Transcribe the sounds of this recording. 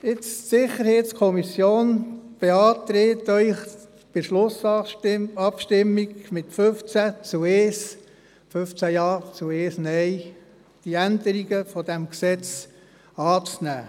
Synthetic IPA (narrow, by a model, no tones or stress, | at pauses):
ɪt͡ssɪχəɾhɛtskʰɔmisjoːnb̥eɑːt̪ɾeːt̪œʏχ | b̥ɪʃlʊs | ɑpʃtɪmːiɡmɪt̪føft͡sæt͡sueːs | fɵft͡sæjɑːt͡sueːsnɛj | d̥iænd̪əɾiɡəfɔd̥̪æmksɛt͡s | ɑːt͡snæ̰ː